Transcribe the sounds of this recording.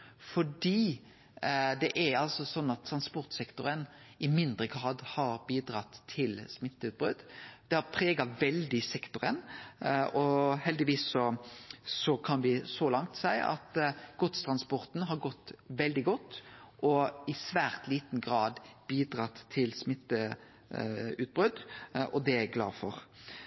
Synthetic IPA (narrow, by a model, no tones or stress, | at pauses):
fɔɖiː | d̪ɛʔæɾɑlsɔsɔnːɑt̪ʰːɾɑnspɔɾt̪sɛkt̪ʊɾənɪmɪnd̪ɾəɡɾɑːd̪hɑɾbiːd̪ɾɑt̪ʰːɪlsmɪt̪ːʉːt̪̚bɾʉd̪d̪̥ɛhɑɾpʰɾeːɡɑʋɛld̪ɪsɛkt̪ʊɾə̰n | ɔhɛld̪ɪʋiːsːɔ | sɔkʰɑnʋɪsɔlɑŋt̪sæɪʔɑ̰t̪ɡ̥ɔt̪st̪ʰɾʁɑnspɔɾt̪n̩ɦɑɾɡɔt̪ːʋɛld̪ɪɡɔt̪ːʔɔɪsʋæːʁt̪liːt̪n̩ɡɾɑːd̪b̥iːd̪ɾɑt̪ʰːɪlsmɪt̪ːə | ʉːt̪̚bʁʉd̪ʔɔd̪ɛæɡlɑ̰ːfɔʁ